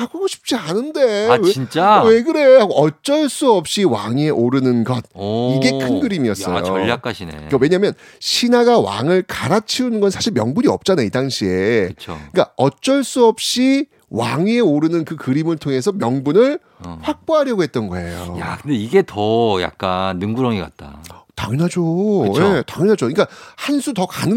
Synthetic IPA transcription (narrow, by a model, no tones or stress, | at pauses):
aɡoɡoɕʰi̥p̚t͡ɕ͈ianɯnde̞weint͡ɕ͈awe̞ɡɯɾe̞haɡoʔʌt͡ɕ͈ʌɭs͈uʌp̚ɕ͈iwaŋieʔoɾɯnɯnɡʌd̚iɡe̞kʰɯnɡɯɾimiʌss͈ʌ̰joʌʎːak͈aɕʰinekʌwe̞ɲamjʌnɕʰinaɡawa̰ŋɯɭkaɾat͡ɕʰiunɯnɡʌnsʰaɕʰiɭmjʌŋbuɲiʌ̰p̚t͡ɕ͈anaidaŋɕʰieɯt͡ɕʰoik͈a̰ʌt͡ɕ͈ʌɭs͈uʌp̚ɕ͈i | waŋieoɾɯnɯnkɯkɯɾimɯɭtʰoŋe̞s̬ʰʌmjʌŋbunɯɭ | ɸwak̚p͈oɦaɾjʌɡoɦe̞t̚t͈ʌnɡʌe̞̰jo̰jakɯndeiɡe̞tʌja̰k̚k͈anːɯŋɡuɾʌŋiɡa̰t̚t͈a̰taŋɯnɦad͡ʑojetaŋɯnad͡ʑoink͈ahansʰutʌkanɯ